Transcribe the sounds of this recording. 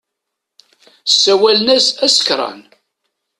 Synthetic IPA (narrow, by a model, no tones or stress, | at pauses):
sːæwælnæsæsə̥kɾˤɑ̰n